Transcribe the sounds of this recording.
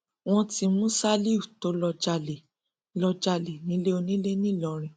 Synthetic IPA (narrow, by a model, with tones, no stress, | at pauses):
w̃ɔ̃˦ti˧mũ˦sa˦li˦u˨to˨˦lɔ˧d͡ʒa˧˨le˨ | lɔ˧d͡ʒa˧˨le˨nĩ˨˦le˦o˧nĩ˦le˦nĩ˦˨lɔ˨ɾ̃ĩ˧˨